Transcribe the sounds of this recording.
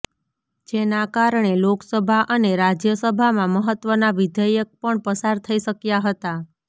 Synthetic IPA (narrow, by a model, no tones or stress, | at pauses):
d͡ʒenakaɾɳ̃eloksəbʱaʔəneɾad͡ʒjəsəbʱamãməɦət̪ʋənaʋɪd̪əjək̚pəɳpəsaɾt̪ʰəiʃəkjaɦət̪a